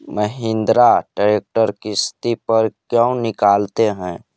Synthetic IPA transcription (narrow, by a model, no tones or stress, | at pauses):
məɦɪ̃nd̪ɾaɖaɾeːk̚ʈəɾkist̪ipəɾkjə̃ʊ̃nɪkaːlt̪eɦɛ̃ː